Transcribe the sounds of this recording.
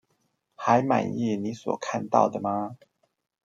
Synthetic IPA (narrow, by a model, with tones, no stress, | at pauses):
xa˨˦ɪma̰˨˩ni˥˨ni˨˦swɔ̰˨˩kʰa˥˧nt̪ɑ̰˥˩ʊd̪ə˩ma˨